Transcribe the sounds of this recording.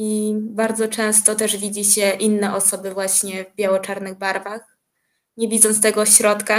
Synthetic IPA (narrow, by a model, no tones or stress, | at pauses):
ibaɾd̪zɔt͡ʂɛ̃w̃st̪ɔt̪ɛʐvʲid͡ʑiɕɛʔinːɛʔɔsɔbɘvwaɕɲɛvbʲjawɔt͡ʂaɾnɘɣbaɾvax | ɲɛvʲid̪zɔnt̪st̪ɛɡɔɕɾɔt̪ka